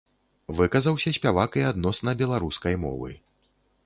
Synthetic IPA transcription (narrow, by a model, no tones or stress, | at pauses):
vɨkɐzɐwsʲɐsʲpʲavakiad̪nɔsnɐbʲɛlˠaɾuskɐjmɔ̰vɨ̰